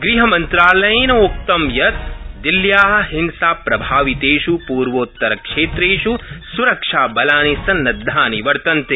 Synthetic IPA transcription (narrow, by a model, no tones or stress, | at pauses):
ɡɾiɦɐmɐnt̪ɾaːlɐjnɐok̚t̪ɐmjɐt̪̚d̪iljaːɦɐ̆ɦinsaːpɾɐbʱaːʋit̪eːʃupuːɾʋoːt̪ːɐɾɐkʂeːt̪ɾeːʃusuɾɐkʂaːbɐlaːnisɐnːɐd̪ʱːaːniʋɐɾt̪ɐnt̪e